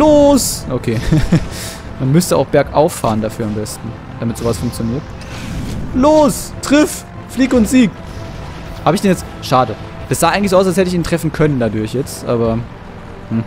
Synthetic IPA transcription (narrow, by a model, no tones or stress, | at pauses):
loːsʔokʰeː | manmʏstəʔaʊxb̥ɛɐkʔaʊfaːʁəndafyːɐambɛstn̩ | d̥amɪtz̥oːvasfʊŋk̚t͡sjoniːɐt | loːstʁ̥ɪf | fliːkʊntz̥iːk̚ | haːbəɪçd̥ɛnjɛt͡st | ʃaːdə | d̥asz̥aːʔaɪɡŋ̩lɪszoːaʊsalshɛtəɪç̬iːntʁ̥ɛfn̩kʰœnəndadʊɐçjɛt͡stʔa̰ːbɐ | hm̩